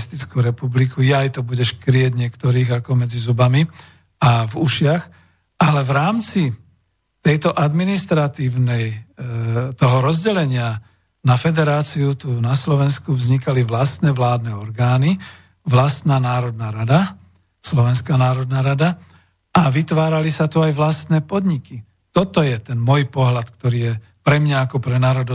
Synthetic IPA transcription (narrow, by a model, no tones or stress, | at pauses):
st̪it͡skuɾɛpublikujɛajt̪ɔbuɟɛʃkɾɪɛɟɲɪɛkt̪ɔɾiːɣakɔmɛd͡zizubami | avuʃɪax | ʔalɛvɾaːmt͡si | t̪ɛjt̪ɔʔad̪minist̪ɾat̪iːʊnɛj | t̪ɔɦɔɾɔzɟɛlɛɲɪa | nafɛd̪ɛɾaːt͡siut̪uːnaslɔʋɛnskuvzɲikaliʋlast̪nɛʋlaːd̪nɛɔɾɡaːni | ʋlast̪naːnaːɾɔd̪naːɾad̪a | slɔʋɛnskaːnaːɾɔd̪naːɾad̪a | aʋit̪ʋaːɾalisat̪uajʋlast̪nɛːpɔd̪ɲiki | t̪ɔt̪ɔjɛt̪ɛnmɔjpɔɦlat̪kt̪ɔɾiːjɛ | pɾɛmɲaːkɔpɾɛnaːɾɔd̪ɔ